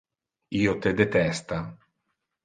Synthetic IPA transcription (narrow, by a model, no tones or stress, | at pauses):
iːot̪ed̪et̪ɛst̪a